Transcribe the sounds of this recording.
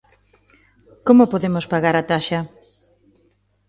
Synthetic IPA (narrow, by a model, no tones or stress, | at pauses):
komopoðemospaɣaɾat̪aʃɐ